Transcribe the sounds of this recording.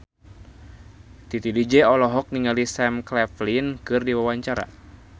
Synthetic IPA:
t̪it̪idid͡ʒɛɔlɔɦɔk̚niŋalisɛmklɛflinkɨrdiwawaɲt͡ʃaɾa̰

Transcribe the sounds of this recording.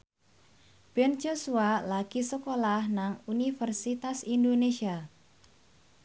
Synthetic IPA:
b̥ɛnd͡ʒosualaɡ̥isəkolahnaŋunifərsit̪asindonesia

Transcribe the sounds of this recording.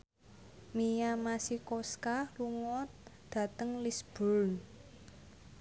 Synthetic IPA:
mijamasikɔskaluŋɔt̪̚d̪̥ä̤t̪əŋlisb̥ɔln

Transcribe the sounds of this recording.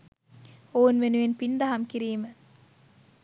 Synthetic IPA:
oːunʋenuʋenpind̪ɐɦɐmkiɾiːmə

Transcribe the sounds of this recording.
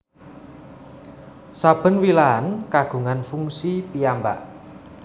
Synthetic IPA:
sab̥ə̤nwilaɦankaɡ̥ṳŋanfuŋsipijamba̰ʔ

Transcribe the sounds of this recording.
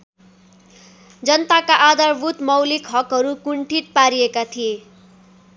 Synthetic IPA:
d͡zʌnt̪akaʔad̪ʌrbʱut̪mʌwlikɦʌkɦʌɾukuɳʈʰiʈ̚paɾijekat̪ʰije

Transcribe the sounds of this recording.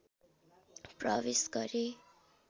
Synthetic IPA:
prʌwesɡʌɾe

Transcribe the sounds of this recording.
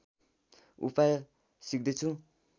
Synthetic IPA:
ṵpaj | sik̚d̪et͡sʰu

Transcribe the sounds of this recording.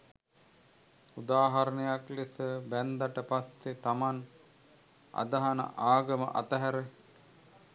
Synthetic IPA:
ud̪aːɦɐɾənəjaklisəbænd̪aʈəpasːet̪aman | a̰d̪aɦanə̰ʔaːɡɐmə̰ʔɐt̪əɦæɾe

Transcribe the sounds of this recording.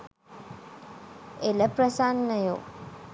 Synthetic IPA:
eləprəsanːəjṵ

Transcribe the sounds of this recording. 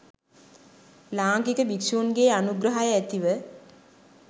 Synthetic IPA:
laːŋɡikəbiksuːnɡeːanuɡɾəɦajəæt̪iʋə

